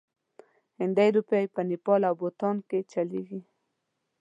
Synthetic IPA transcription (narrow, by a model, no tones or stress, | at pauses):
hɪnd̪ajɾupjajpənɪpɑlawbot̪ɑnket͡ʃaleɡi